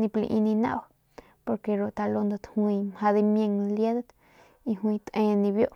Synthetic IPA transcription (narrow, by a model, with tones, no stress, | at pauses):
nĩ˧plḭ˧ʔi˧nĩ˧na̰˦˧˨w | po˧ɾke˧ɾo˧˨t̪a˧lo˧nd̪o˧t̪hwi˧mha˧d̪i˧mje˧ŋlje˦d̪t̪ | i˧hwĩ˧t̪ʔẽ˧nĩ˧bjo˦ʔ